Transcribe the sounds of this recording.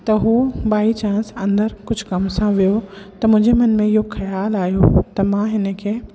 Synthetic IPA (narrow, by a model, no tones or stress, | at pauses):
t̪ɐɦuːɓaːit͡ɕãːnsɐ̃nd̪əɾkʊd͡ʑʱkɐmsãʋijot̪ɐmʊ̃ɦɪ̃ɲd͡ʑemɐnmẽɪɦoxɐjaːlaːjot̪ɐmãɦɪnə̆kʰeː